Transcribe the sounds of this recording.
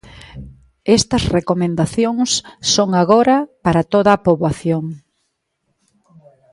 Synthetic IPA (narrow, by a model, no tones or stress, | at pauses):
ɛst̪ɐsrekomẽnd̪aθjoŋsːoŋaɣoɾɐpaɾɐt̪oðɐpoβaθjoŋ